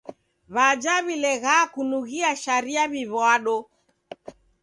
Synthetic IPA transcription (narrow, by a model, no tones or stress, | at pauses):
βad͡ʒaβilɛɣakunuɣiaʃaɾiaβiβwaɗɔ